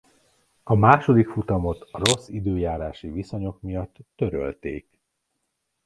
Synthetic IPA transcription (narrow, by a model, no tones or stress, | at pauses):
ɒmaːʃo̞d̪ikfut̪ɒmo̞t̪ro̞sːid̪øːjaːɾaːʃiviso̞ɲo̞kmijɒt̪ːø̞ɾø̰lt̪eːk